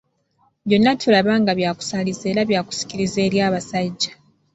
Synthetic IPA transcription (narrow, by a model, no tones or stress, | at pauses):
βjo̞nːatʰulaβaŋɡaβjaːku̥salize̞ːlaβjaːku̥si̥ciɾize̞ːljaːβasaɟːa